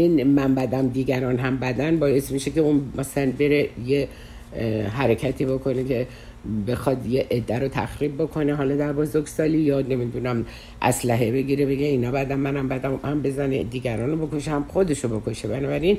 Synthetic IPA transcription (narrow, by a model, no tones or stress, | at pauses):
inmæmbæd̪æmd̪iːɡæɾɒːnɦæmbæd̪ænbɒːje̞smiʃeceunmæslænbe̞ɾe̞je | ɦæɾecʰæt̪ʰiːbo̞kʰo̞nekʰe̞ | be̞xɒd̪jeʔed̪ːæɾot̪ʰæxɾib̚bokʰo̞ne̞ɦɒːlɒd̪æɾbozoɾɡsɒːlijɒːne̞mid̪unæm | ʔæ̰slæɦe̞be̞ɡʲiɾe̞be̞ɡe̞inɒːbæd̪æmːænæmbæd̪æmhæmbe̞zænḛd̪iːɡʲæɾɒːnobo̞kʰo̞ʃehæmxo̞d̪e̞ʃobo̞kʰo̞ʃebænɒːbæɾin